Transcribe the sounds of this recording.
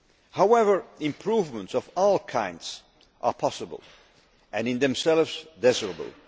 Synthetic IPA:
hawɛvə˞ɪ̃mpʰɹuvmə̃ntsɔvɔlˠkʰãɪ̃ndz̥ | ʔə̰pʰɑsəbə̰lˠ | ɨ̃nɨ̃nðɛ̃msɛlˠvz̥d̪ɛzəɹəbə̰l̩ˠ

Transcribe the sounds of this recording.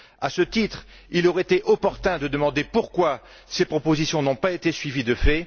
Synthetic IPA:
asət̪it̪χ | ilɔʁɛet̪eʔɔpɔʁt̪ɛ̃d̪əd̪əmɑ̃d̪epuʁkwa | sepχɔpozisjɔ̃nɔ̃paet̪esɥivid̪əfɛ

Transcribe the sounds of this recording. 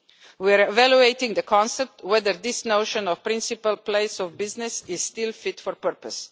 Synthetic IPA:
wiaɹɛvæljueɪtɪ̃ŋd̪əkʰɔ̃nsɛp̚t̪wɛd̪əɾd̪ɪsnoʊʃə̃nɔfpɾɪ̃nsipəlpleɪsɔvbɪznɪsɪzstɪlfɪtfɔɹpəɹpəs

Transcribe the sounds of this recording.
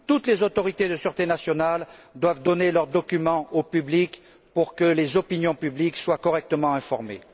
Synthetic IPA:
t̪ut̪lezot̪ɔʁit̪ed̪əsyʁt̪enasjɔnald̪wavd̪ɔnelœʁd̪ɔkʲymɑ̃opyblik | puʁkəlezɔpinjɔ̃pyblikswakɔʁɛk̚t̪əmɑ̃ɛ̃fɔʁmḛ

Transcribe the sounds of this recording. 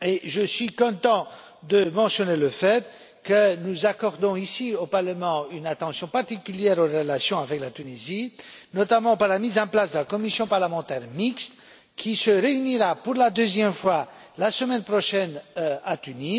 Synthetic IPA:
eʒəsɥikɔ̃t̪ɑ̃ | d̪əmɑ̃sjɔneləfɛt̪ | kənuzakɔʁd̪ɔ̃isiopaʁləmɑ̃ynat̪ɑ̃sjɔ̃paʁt̪ikʲyljɛʁoʁəlasjɔ̃avɛklat̪ynizinɔt̪amɑ̃paʁlamizɑ̃plasd̪əlakɔmisjɔ̃paʁləmɑ̃t̪ɛʁmikst̪ | kʲʰisəʁeyniʁapuʁlad̪øzjɛmfwa | lasəmɛnpχɔʃɛnat̪yni

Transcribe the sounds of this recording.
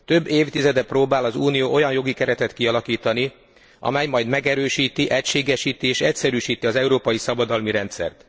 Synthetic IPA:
t̪ø̞bːeːft̪izɛd̪ɛproːbaːlɒzuːnijoːʔo̞jɒnjo̞ɡikɛɾɛt̪ɛt̪kiɒlɒkiːt̪ɒni | ʔɒ̰mɛjmɒjd̪mɛɡɛɾøːʃiːt̪iʔɛcʃeːɡɛʃiːt̪ieːʃɛcsɛɾyːʃiːt̪iɒzɛuɾoːpɒjisɒbɒd̪ɒlmiɾɛnt̪sɛ̰rt̪

